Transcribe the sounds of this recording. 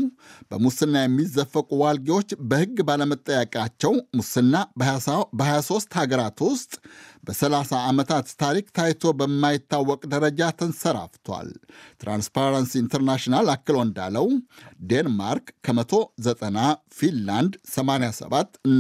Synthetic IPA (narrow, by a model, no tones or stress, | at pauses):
bəmusɨnːajɛmːizːəfːəkʼuwalɡiwo̞t͡ʃːbəhɨɡːbaləmət̪ʼːəjəkʼat͡ʃːɛwmusɨnːa | bəhajaso̞st̪haɡəɾat̪wʊst̪ʼbəsəlasaːmət̪ʰat̪ːʰaɾik̚t̪ʰajt̪ʰo̞bəmːajɪt̪ːawːɔkʼd̪əɾəd͡ʒat̪ʰənsəɾa̰ft̪ʰwa̰lt̪ɾa̰nspaɾansiint̪ʰəɾnaʃinalakːɨlond̪a̰ləwd̪enma̰ɾkːʰəmət̪ʰo̞zət̪ʼənafinland̪səmanejasə̰βat̪ːɨnː